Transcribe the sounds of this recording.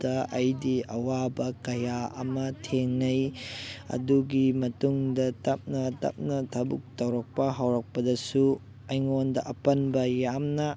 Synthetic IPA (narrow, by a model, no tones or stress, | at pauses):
d̥ɐʔɐjdiɐwabɐkɐjaɐ̰mɐtʰeŋnɐjɐ̰duɡimɐtuŋdɐtɐp̚nɐtɐ̰p̚nɐtʰɐbuk̚tɐwɾɐk̚pɐɦawɾɐk̚pɐdɐsu | ɐjŋondɐʔɐpɐnbɐjamnɐ